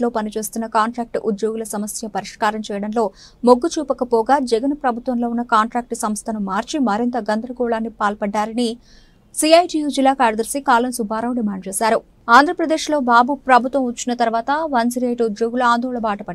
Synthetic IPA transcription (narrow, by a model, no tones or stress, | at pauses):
lo̞ːpɐnit͡ʃe̞ːst̪unːɐkaːɳʈɾaːk̚ʈʔud̪joːɡulɐsɐmɐsjɐpɐɾiʂkaːɾɐmt͡ʃɛːjɐɽɐnlo̞ː | moɡːut͡ʃuːpɐkɐpɔːɡaːd͡ʒɛɡɐnpɾɐbʱut̪ʋɐmlo̞ːunːɐkaːɳʈɾaːk̚ʈsɐmst̪ʰɐnumaːɾt͡ʃimɐɾint̪ɐɡɐnd̪ʱɾɐɡɔːɭaːnːipaːlpɐɖːaːɾɐni | siɐjʈiːjuːd͡ʒilːaːkaːɾd̪ɐɾsikaːlɐnsubʱaːɾɐwɖimaːɳɖ̚t͡ʃɛːsaːɾu | aːnd̪ʱɾɐpɾɐd̪eːʂlo̞ːbaːbupɾɐbʱut̪ʋɐmɐt͡ʃːinɐt̪ɐɾʋaːt̪ɐʋɐnsiɾeːʈud̪joːɡuluaːnd̪ʱoːɭɐbaːʈɐpɐɽ